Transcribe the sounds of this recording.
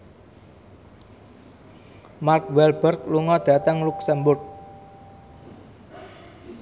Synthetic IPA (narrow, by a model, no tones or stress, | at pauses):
markwɛlb̥ərkluŋɔd̪̥ä̤t̪əŋluksəmbʊrk̚